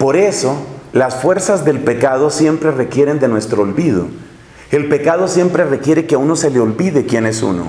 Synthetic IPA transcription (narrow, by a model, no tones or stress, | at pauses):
po̞ɾe̞solasfwe̞ɾsazd̪e̞lpe̞kað̞o̞sje̞mpɾe̞re̞kje̞ɾe̞nd̪e̞nwe̞st̪ɾoːlβið̞o̰ | e̞lpe̞kaðo̞sje̞mpɾe̞re̞kje̞ɾe̞keauno̞se̞leolbiðe̞kjene̞sṵno̰